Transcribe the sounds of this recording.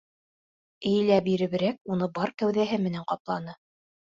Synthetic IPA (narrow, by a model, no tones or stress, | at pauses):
ɘ̆j̆læbiɾɘ̆βɘ̆ɾæk̚unɤbɑɾkæwðæɦɘmɘ̆næɴqɑplˠɑnɤ